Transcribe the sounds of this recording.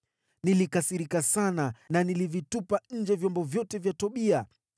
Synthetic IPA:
nilikasiɾikasanananilivitupaɲ̩d͡ʒɛvjɔmbɔvjɔtɛvjatɔɓia

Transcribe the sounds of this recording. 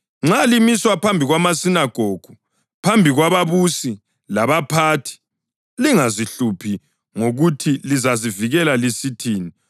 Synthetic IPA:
ŋ͡ǁalimiswapʰambʱiɣwamasinaɡ̥ʱoɡ̥ʱu | pʰambʱiɣwaβaβusi | laβapʰatʰi̥ | liŋaziɬupʰi | ŋoɣutʰilizaziviɣɛlalisitʰiːni

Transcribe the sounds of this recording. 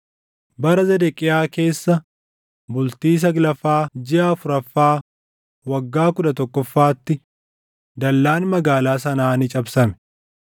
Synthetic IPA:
bɐɾɐzɛd̪ɛkʼːɪjaːke̞ːsːɐ | bʊlt̪iːs̬ɐɡlɐfaːd͡ʒɪʔaːfʊɾɐfːaː | wɐɡːaːkʊᶑɐt̪ɔkːɔfːaːt̪ːɪ | d̪ɐlːaːnmɐɡaːlaːs̬ɐnaːnɪt͡ʃʼɐbsɐmɛ̥

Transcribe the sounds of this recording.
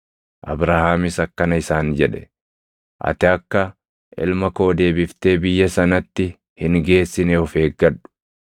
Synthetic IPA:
ʔɐ̰bɾaːhaːmɪsɐkːɐnɐɪsaːnd͡ʒɛᶑɛ̥ | ʔɐ̰t̪ɪɐkːɐ | ʔɪ̰lmɐko̞ːd̪e̞ːbɪft̪e̞ːbɪjːɐsɐnɐt̪ːɪ | hɪŋɡe̞ːsːɪnɛɔfe̞ːɡːɐᶑːʊ̥

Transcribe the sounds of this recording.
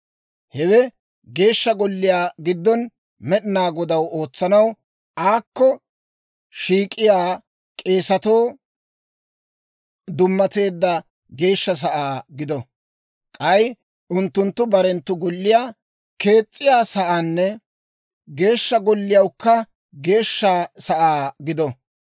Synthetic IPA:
hɛwɛ | ɡe̞ːʃːɐɡɔlːɪjaːɡɪd̪ːɔn | mɛɗɪnaːɡɔd̪ɐwo̞ːt͡sːɐnɐw | ʔaːkːɔ | ʃiːkʼːɪjaː | kʼe̞ːsɐt̪o̞ː | d̪ʊmːɐt̪e̞ːd̪ːɐ | ɡe̞ːʃːɐs̬ɐʔaːɡɪd̪ɔ | kʼɐj | ʔʊnt̪ːʊnt̪ːʊbɐɾɛnt̪ːʊɡɔlːɪjaː | ke̞ːt͡sʼːɪjaːsɐʔanːɛ | ɡe̞ːʃːɐɡɔlːɪjɐwkːɐ | ɡe̞ːʃːasɐʔaːɡɪd̪ɔ

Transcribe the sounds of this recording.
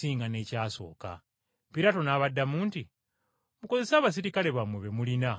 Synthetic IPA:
iːŋɡane̞ːcaːso̞̰ːka̰ | piɾato̞naːβadːamuːnti | muko̞ze̞saːβas̬iɾikale̞βamweβe̞mulina

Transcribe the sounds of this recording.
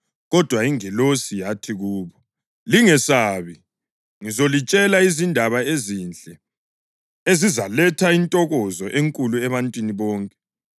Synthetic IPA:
ɣɔd̥ʱwaiŋɛlosijatʰiɣuːβɔ | liŋɛsaːβi | ŋizolit͡ʃʼɛlaizindʱaβaezint͡ɬʼɛ | ezizalɛtʰaintʼɔɣɔzɔʔeŋkʼuluɛβantʼwiniβɔːŋkʼɛ

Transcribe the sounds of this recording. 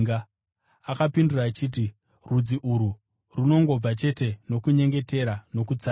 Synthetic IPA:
ɡa | akapinduraːt͡ʃiːt̬i | rud͡ziʔuɾu | runo̞ŋɡo̞b͡vat͡ʃe̞te̞no̞kuɲe̞ŋɡe̞te̞ɾano̞kut͡sa

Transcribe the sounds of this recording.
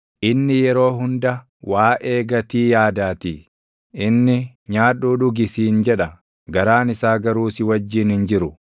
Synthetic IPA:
ʔɪnːɪjɛɾo̞ːɦʊnd̪ɐ | waːʔe̞ːɡɐt̪iːjaːd̪aːt̪iː | ʔɪnːɪ | ɲaːᶑuːᶑʊɡɪsiːnd͡ʒɛᶑɐ | ɡɐɾaːnɪsaːɡɐɾuːsɪwɐd͡ʒːiːnhɪnd͡ʒɪɾʊ

